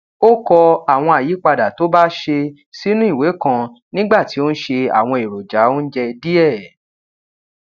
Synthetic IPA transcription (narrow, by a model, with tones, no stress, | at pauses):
o˦kɔ˧a˨w̃ɔ̃˧a˨ji˨˦k͡pa˧da˨to˨˦ba˦ʃe˧ | si˦nũ˦i˦˨we˨˦kã˧nĩ˦ɡ͡ba˦˨ti˨˦o˦n̩˦ʃe˧a̰˨w̃ɔ̃˧e˨ɾo˨d͡ʒa˨˦o˦n̩˦d͡ʒɛ˧di˦ɛ˦˨